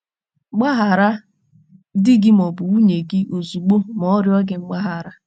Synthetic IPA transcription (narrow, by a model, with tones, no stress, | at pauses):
ɡ͡ba˦ɦa˨ɾa˦ | dɪ˦ɡɪ˦m˨ɔ˨bʊ˨u˦ɲe˨ɡɪ˦ʔo˨zu˨ɡ͡bo˦mɔ˦ɾjɔ˦ɡɪ˨ŋ͡m̩˦ɡ͡ba˦ɦa˨ɾa˦